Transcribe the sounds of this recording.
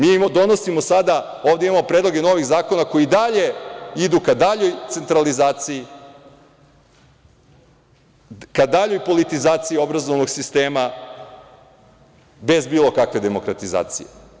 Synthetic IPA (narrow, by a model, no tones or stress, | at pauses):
miːimad̪o̞nosimosad̪a | oːvd̪eimamo̞pɾed̪lˠo̞ɡe̞no̞ʋiɣzaːko̞nako̞jid̪aʎe̞id̪ukad̪aʎo̞jt̪se̞nt̪ɾalizaːt̪sii | kad̪aʎo̞jpo̞lit̪izaːt̪sijio̞bɾazoʋno̞ɡsist̪e̞ːma | be̞zbiːlˠo̞kakʋe̞d̪e̞mo̞kɾat̪iza̰ːt̪sḭje